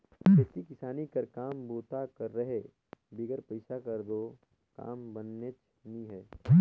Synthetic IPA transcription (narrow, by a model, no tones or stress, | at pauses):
esikɪsaːnikɐɾkaːmboːt̪akɐɾːɐɦe | bɪɡəɾpəɪsakəɾd̪oː | ka̰ːmbənːet͡ʃ | niɦɛː